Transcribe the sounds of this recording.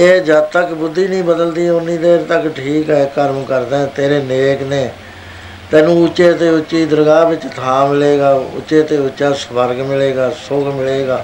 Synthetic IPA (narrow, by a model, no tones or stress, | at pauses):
eːd͡ʒəd̪̚t̪əkbʊd̪ːiːnĩːbəd̪əld̪iːʊnːiːd̪eːɾt̪əkʈʰiːkɦɛːkəɾmkəɾd̪ɛ̃ːt̪eːɾeːneːkneː | t̪ɛːnũːʊt͡ʃːeːt̪eːʊt͡ʃːiːd̪əɾəɡaːbɪt͡ʃt̪ʰãːmɪleːɡaːʊ̰t͡ʃːeːt̪eːʊt͡ʃːaːsəbəɾɡmɪleːɡaːsʊkʰmɪleːɡaː